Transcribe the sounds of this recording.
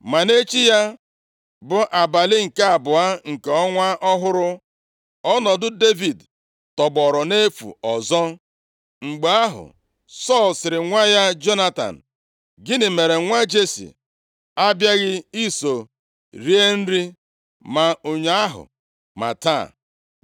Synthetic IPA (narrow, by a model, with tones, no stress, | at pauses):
ma˨ne˦t͡ʃi˦ja˦ | bʊ˨ʔa˨ba˨lɪ˦ŋ̩˨ke˦a˨bʊ˨a˦ŋ̩˨ke˨ɔ˦ŋʷa˦ʔɔ˦ɦʊ˦ɾʊ˦ | ɔ˦nɔ˨dʊ˦de˦vi˨d | tɔ˨ɡ͡bɔ˨ɾɔ˨ne˦fṵ˨ɔ˨zɔ˦ | ŋ͡m̩˨ɡ͡be˨a˦ɦʊ̰˨ | sɔ˦˨lsɪ˨ɾɪ˨ŋʷa˦ja˦d͡ʒo˦na˦ta̰˨n̩˨ | ɡɪ˦nɪ˨me˨ɾe˨ŋʷa˦d͡ʒe˦sḭ˨ | a˦bja˦ɣɪ˦i˦so˨ | ɾi˦e˦n̩˦ɾi˦ | ma˨o˨ɲe˦a˦ɦʊ̰˨ | ma̰˨ta̰˦˨